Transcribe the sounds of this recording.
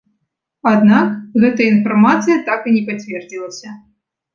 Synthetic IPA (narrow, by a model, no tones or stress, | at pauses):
ad̪nakɣɛt̪ɐjəinfarmat̪sɨjɐt̪akɨnʲɛpat͡sʲvʲɛrd͡zʲilˠɐsʲɐ